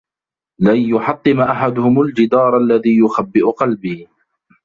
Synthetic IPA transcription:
lanjʊħɑt̪ˤːɨmʔaħad̪ʊhʊmald͡ʒɪd̪ɑːɾˤʔalːaðiːjʊxabːɪʔʊqɑlbiː

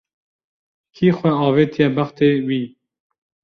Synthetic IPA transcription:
kʰiːxʷwɛɑːveːt̪ʰiɛbɐχt̪eːwiː

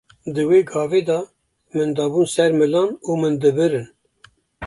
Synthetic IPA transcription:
d̪ɨweːɡɑːveːd̪ɑ | mɨnd̪ɑːbuːnsɛɾmɨlɑːnuːmɨnd̪ɨbɨɾɨn

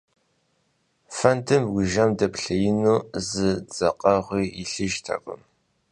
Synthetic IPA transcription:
fɐntʰɨmɡʷʊʒɐmdɐpɬɐjɪnuːzɨd͡zɐqʼɐʁʷiːɪɬɨʒtʰa̰kʷʼʊ̰m

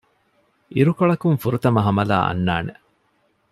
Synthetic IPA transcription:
ʔiɾukoɭɐkuŋfuɾut̪ɐmɐɦɐmɐla̰ːʔɐ̰nːaːne

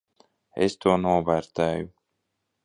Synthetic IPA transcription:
ḛst̪uɔnuːvæɾt̪æːju

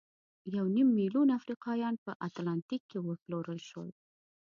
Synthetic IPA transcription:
jawnimːilunafɾiqɑjɑnpəʔat̪lɑnt̪ikʰːewəploɾəlʃwə̰l

